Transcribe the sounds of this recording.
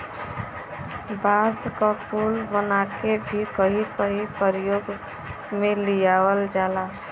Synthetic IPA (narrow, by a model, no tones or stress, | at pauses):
baskapuːlbənakebʱikəɦikəɦipəɾijoːɡ | mẽlijawəld͡ʒaːla